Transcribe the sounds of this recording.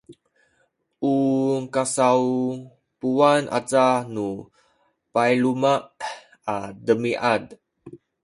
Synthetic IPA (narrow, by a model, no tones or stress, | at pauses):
ʔukasau | puanʔa̰t͡sanu | pajlumaʔ | adəmiʔad